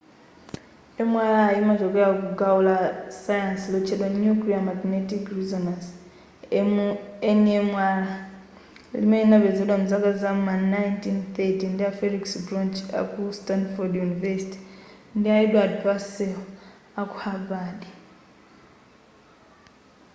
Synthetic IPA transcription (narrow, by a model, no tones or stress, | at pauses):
emwalaːjimaʒokeakuɡaulasajansilot͡ʃelwanukliamaɡnetikɾuzanas | enemwala | limeinaβezilamuzakazammanajntinθetindiafeliksbɾont͡ʃa̰kustanfodjunivesi̥ti̥ndiaedwadpasel | aku̥haβadi